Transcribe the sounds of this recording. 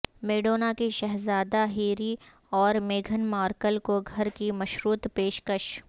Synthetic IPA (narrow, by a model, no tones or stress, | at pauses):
meːɖoːnakiʃɐɦzaːd̪aɦiːɾi | ɔːɾmeːɡʱənmaːɾkəlkoɡʱɐɾkimɐʃɾuːt̪peːʃkəʃ